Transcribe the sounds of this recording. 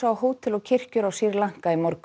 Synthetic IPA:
awɦoːwt̪ʰɪlɔɣcʰɪr̥cʏɾawsiɾlaŋ̥kaimɔɾk

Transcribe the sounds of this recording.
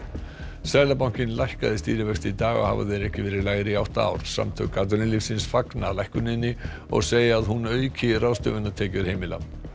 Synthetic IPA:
sɛɾlap̬aw̥cɪnlajhkaðɪst̪iːɾɪvɛxst̪it̪aːɣɔ̰ɣha̰va̰ðɛɾɛhcɪvɛːɾɪɾlaːɣɾɪiawht̪aa̰ːwɾ̥sa̰mt̪ʰœ̰kat̪̬ʏlɪnlifsɪnsfaknalajhkʏnɪnːɪ | ɔ̰ɣseːjɪaðɦunœːɥcʰɪraːwst̪œ̰vʏnːat̪ʰɛːcʏɾ̥heːjmɪla̰

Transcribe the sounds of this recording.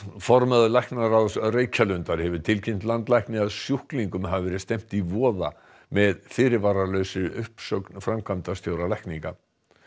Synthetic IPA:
fɔɾmaðʏlajknaɾaðsreːjcʰalʏnt̪aɾ̥hɛvʏɾ̥t̪ʰɪlcʰɪm̥t̪lant̪lajhknɪɣaðsjuhkliŋkʏmɦavɪvɛːɾɪst̪ɛm̥t̪ivɔːða̰ | mɛðfɪːɾɪɾvaːɾalœɥsɪʏhpsœknfɾamkʰamt̪ast̪joːwɾalajhkniŋka

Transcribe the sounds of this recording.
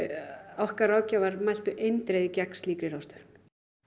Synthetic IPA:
awhkarawcavaɾmajl̥t̪ʏʔejnt̪ɾejðɪcɛkn̥sliːkɾɪɾawst̪ʏn

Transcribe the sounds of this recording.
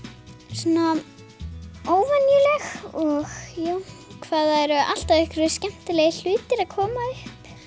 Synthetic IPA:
suna | oːwvanjʏlɛxɔɣjow | kʰvaːðaɛɾʏʔal̥t̪aðɛhkʏɾʏscɛm̥t̪ɪlɛɣɪl̥ʏːt̪ɪɾaðkʰɔːmaʏhp

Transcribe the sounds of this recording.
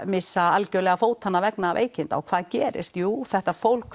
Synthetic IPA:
mɪsːaalcœɥlɛɣafoːwt̪ʰanːavɛknaːvʔḛːjcɪnt̪a̰wkʰv̥aːðcɛːɾɪ̰st̪juːθɛht̪afowlk

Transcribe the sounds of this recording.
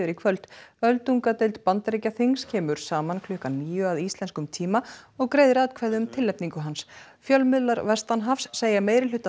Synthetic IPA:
ʏɾikʰvœlt̪œlt̪uŋkat̪ejlt̪̚pant̪ɾecaθiŋscʰɛːmʏɾ̥saːmankʰlʏːhkanniːjʏaðist̪lɛnskʏmt̪ʰiːmaɔɣkɾeːjðɪɾaːwt̪kʰvɛɾðʏmt̪ʰɪlːɛpniŋkʏɦans | fjœlmʏlaɾvɛst̪anɦafsːeːjameːjɾɪlʏt̪ːa

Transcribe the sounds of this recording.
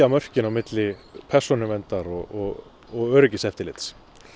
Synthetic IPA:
amœr̥cɪnawmɪt̪lɪpʰɛr̥sɔnʏvɛnt̪aɾɔɣɔɣ | ɔɣœːɾʏcɪsɛft̪ɪlɪt̪s

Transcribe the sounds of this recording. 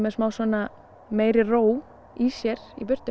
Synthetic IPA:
mɛðsmaːwsvɔːna | meːjɾɪroːw | isjɛɾ̥ḭpʏr̥t̪

